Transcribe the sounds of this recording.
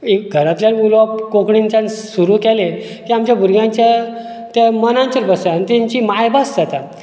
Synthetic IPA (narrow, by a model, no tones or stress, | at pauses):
ekɡʱəɾat̪ljaniulʋapkokɽint͡ɕansuɾuːkɛle | kiamt͡ɕjabʱuɾɡʱjãɲt͡ɕja | t̪ɛmənãɲt͡ɕəɾbəsaanit̪ɛɲt͡ɕimajbasd͡zat̪a